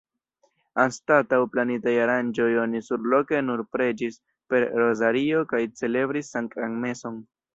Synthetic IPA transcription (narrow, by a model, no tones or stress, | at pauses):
anstatawplanitajaɾand͡ʒo̞jo̞nisuɾlo̞ke̞nuɾpɾe̞d͡ʒis | pe̞ɾɾo̞zaɾio̞kajt͡se̞le̞bɾisːaŋkaŋme̞so̞n